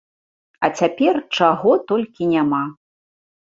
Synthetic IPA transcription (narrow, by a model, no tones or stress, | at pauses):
ɐt͡sʲapʲɛrt͡ʂaɣɔt̪ɔlʲkʲinʲama